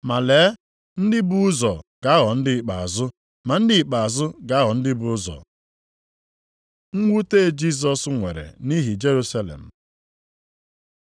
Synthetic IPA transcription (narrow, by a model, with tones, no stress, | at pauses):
ma˨le˨˦ | n̩˦dɪ˦bu˦zɔ˨ɡ̥a˨˦ɣɔ˨n̩˦dɪ˦˨k͡pa̰˨a̰˨zʊ˦ | ma˨n̩˦dɪ˦˨k͡pa˨a˨zʊ˦ɡa˨˦ɣɔ˨n̩˦dɪ˦bʊ˨˦zɔ̰˨ | ŋ̩˦ŋʷu˦te˦d͡ʒi˦s̬ɔ˨sŋʷḛ˨ɾḛ˨ni˦ɦi˨d͡ʒe˦ɾu˦sa˦lḛ˨m̩˨